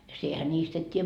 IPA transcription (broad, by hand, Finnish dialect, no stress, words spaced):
jɑ siehæ nʲiːst et tʲiːjæ